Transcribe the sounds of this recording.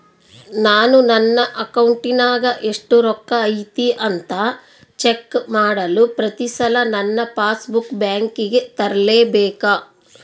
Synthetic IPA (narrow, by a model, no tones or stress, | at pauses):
naːnunɐnːɐʔɐkɐwɳʈinaːɡɐʔeʂʈuɾɔkːɐːjt̪iʔɐnt̪aː | t͡ʃe̞kːmaːɽɐlupɾɐt̪isɐlɐnɐnːɐpaːsbukbjaːŋkiɡet̪ɐɾɐleːbɛːka